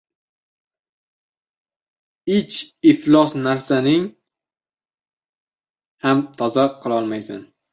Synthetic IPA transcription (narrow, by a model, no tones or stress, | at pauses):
ɪt͡ʃɪflˠɒsnaɾsanɪŋ | hamt̪ʰɒzaqʰːɨlˠɒlˠmajsa̰n